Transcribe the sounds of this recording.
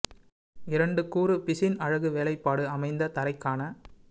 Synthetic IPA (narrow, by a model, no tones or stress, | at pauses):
ɪɾɐɳɖɯkuːɾɯpɪsɪnɐɻɐɣɯʋeːlɐɪpːaːɽɯɐmɐɪnd̪ɐt̪ɐɾɐɪkːaːnɐ